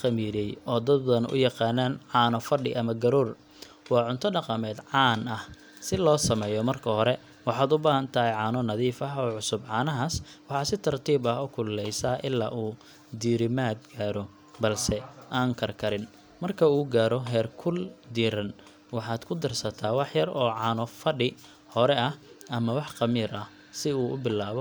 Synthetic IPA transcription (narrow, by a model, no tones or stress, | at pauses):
qɐmiːɾɛjɔːd̪ɐd̪̚bɐðɐnʊ̰jɑqɑːnaːnʕɑːnɔfɐɖɪʔɐmɐɡɐɾuːr | wɑːʕʊnt̪ʰɔɖɑqɐmɛːd̪ʕɑːnɐh | sɪlɔːsɐmɛːjɔmɐrkʰɐhɔɾɛ | wɑħɑːd̪ʊbaːɦɐnt̪ʰɐɦɛʕɑːnɔnɐðiːfɐɦɔːʕʊsʊbʕɑːnɐɦaswɑħɑːsɪt̪ʰɐrt̪ʰiːbɐɦʊkʰʊlːɛjsɐʔɪlːa̰ːʔuː | d̪iːɾɪmaːd̪̚ɡaːɾɔ | bɐlsɛʔaːŋkʰɐrkʰɐɾɪn | mɐrkʰɐuːɡaːɾɔɦɛːrkʰʊld̪iːɾɐn | wɑħɑːd̪̥kʰʊd̪ɐrsɐt̪ʰaːwɑħjɐrɔːʕɑːnɔfɐɖɪ | hɔɾɛʔɐhɐmɐwɑħqɑmiːɾɐh | sɪuːʊbɪlːaːβɔ